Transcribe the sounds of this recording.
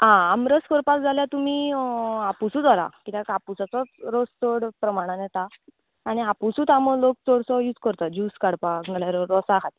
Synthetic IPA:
ãamɾəskəɽpak̚d͡zʱaljat̪um̤iːapusud̪ʋaɾa̰kit̪akapusat͡sɔɾəst͡s̪oɽpɾəmaɽ̃ãnɛt̪aː | ɽ̃iapusut̪aməlok̚t͡s̪oɽsɔjuːt͡skəɾt̪ad͡ʑuːskaɽpaknalaɾɔɾɔsakʰat̪i

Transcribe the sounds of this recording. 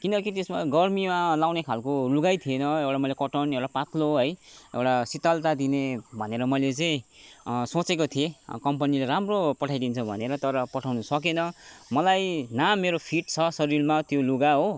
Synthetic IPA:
kinʌkit̪esmaɡʌrmimalawnekʰalkoluɡajt̪ʰienʌewʈamʌjlekʌʈʌnewʈapat̪loɦʌjḛwʈasit̪alt̪ad̪inebʱʌneɾʌmʌjlet͡sʌĩsot͡sekot̪ʰiekʌmpʌnileɾamropʌʈʰajd̪int͡sʰʌbʱʌ̰neɾʌt̪ʌɾʌpʌʈʰawnʌsʌk̬enʌmʌlajnamːeɾopʰiʈt͡sʰʌsʌɾirmat̪joluɡaɦo

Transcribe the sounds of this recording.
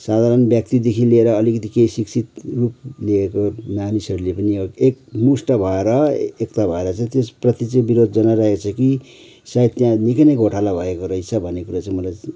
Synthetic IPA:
sad̪ʱaɾʌnbjʌk̚t̪id̪ekʰilieɾʌːlikʌt̪ikeisiksʰit̪rupliekomanisɦʌɾulepʌniekmusʈʌbʱʌeɾʌekt̪abʱʌeɾʌt͡sãĩt̪esprʌt̪it͡sʌĩbiɾod̪ʱd͡zʌnaɾaɦet͡sʰʌki | sait̪jãnikanʌɡʱoʈʰalabʱʌekoɾʌjt͡sʰʌbʱʌnːekuɾat͡sãĩmʌlaj

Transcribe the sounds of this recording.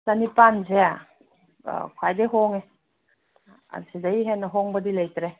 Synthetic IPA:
sanipanzea | kʰwajdeɦɔŋe | a̰nsidajɦenɐɦɔŋbɐdilajtɾe

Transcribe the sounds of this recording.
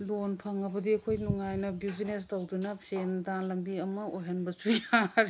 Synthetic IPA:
lonpʰaŋɐbɐdiɐkʰojnuŋajnɐbuwzines̬tawdunɐpsendanlɐmbiɐmɐojɦɐnbɐsujaɾi

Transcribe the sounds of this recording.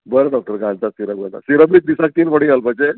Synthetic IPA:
bəɾeɖɔk̚ʈəɾɡʱãnt͡sasiɾəɡʋət̪a̰siɾəbit̪̚d̪isãk̚t̪iːnpəɽiɡʱalbəɳd͡ze

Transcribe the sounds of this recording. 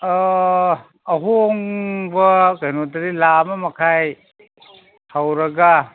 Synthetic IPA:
ɦuoŋbɐkajnotɐɾilamɐmɐkʰaj | hawɾɐɡa

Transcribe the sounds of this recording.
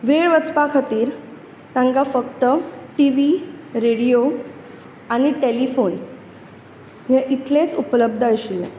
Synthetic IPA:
ʋeɭʋət͡spakʰat̪iːɾ | t̪ãŋɡafəkt̪əʈiʋiɾeɽijo | aɽ̃iʈelifon | jẽʔit̪let͡supələb̚d̪ʱəəɕi

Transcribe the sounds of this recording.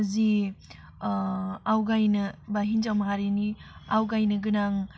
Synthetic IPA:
zi | awɡajnɐbaɦinzawmaɦaɾeniawɡajnɯɡɯnaŋ

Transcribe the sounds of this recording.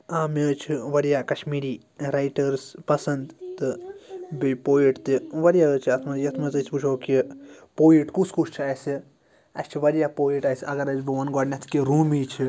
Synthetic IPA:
aːmet͡ʃʰiʋɐɾijaːkɐʃmiːɾiː | ɾajʈɐɾspɐsɐnd̪t̪ɨbipoːiʈt̪iʋɐɾjaːət͡ʃʰiɐt̪ʰmɐzjɐt̪ʰmɐzɨt͡ʃʰiput͡ʃʰoːkipoːiʈkuskut͡ʃʰt͡ʃʰasi | ɐ̰st͡ʃʰiʋɐɾijaːpoːiʈaːsɐɡɐɾɐzbiʋɐnɡɔːɖnʲɐt̪ʰkiɾuːmiːt͡ʃʰi

